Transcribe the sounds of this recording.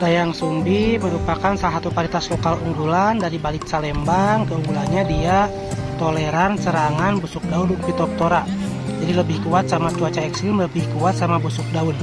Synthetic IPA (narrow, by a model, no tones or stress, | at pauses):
dajaŋsumbiməɾupakansalaɦat̪upaɾit̪aslokaluŋɡulandaɾibalɪt̪̚salɛmbaŋkəuŋɡulanɲadia | t̪olɛɾansəɾaŋanbusuk̚daunʊŋpit̪ɔp̚t̪oɾaʔ | d͡ʒadiləbɪhkuat̪̚samat͡ʃuat͡ʃaɛksɪmləbɪhkuat̪̚samabusuk̚daun